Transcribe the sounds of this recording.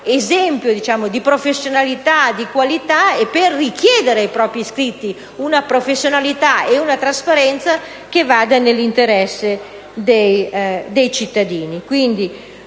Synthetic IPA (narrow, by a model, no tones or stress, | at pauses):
ezɛmpjod̪it͡ʃaːmod̪ipɾofesːjonalit̪ad̪ikwalit̪aepːerːikjɛːd̪eɾeajpɾɔːpɾiskɾit̪ːi | unapɾofesːjonalit̪aeunat̪ɾaspaɾɛnt̪sa | k̟evaːd̪anelːint̪eɾɛsːe | d̪ejd̪ejt͡ʃit̪ːad̪iːnikwind̪i